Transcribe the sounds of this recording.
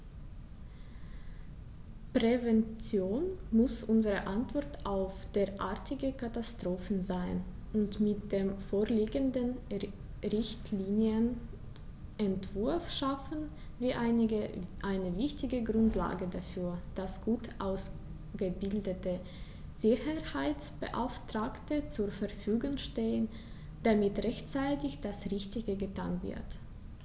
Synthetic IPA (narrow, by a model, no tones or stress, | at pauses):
pʁ̥ɛvɛnt͡sjoːnmʊsʔʊnzəʁəʔantv̥ɔɐtaʊfd̥eːɐʔaɐtʰɪɡəkʰatastʁ̥oːfn̩zaɪn | ʊntmɪt̚d̥eːmfoːɐliːɡəndən | ʁɪçtʰliːnjən | ʔɛntv̥ʊɐfʃafn̩ | viːʔaɪnəʔaɪnəvɪçtɪɡəɡʁʊntla̰ːɡədafyːɐd̥asɡ̥uːtʔaʊs | ɡ̥əbɪldətə | z̥ɪçəhaɪt͡sb̥ə̰ʔaʊftʁ̥aːktət͡suːɐfɛɐfyːɡʊŋʃteːən | d̥amɪtʁɛçt͡saɪtɪçd̥asʁɪçtɪɡəɡətʰa̰ːnvɪ̰ɐt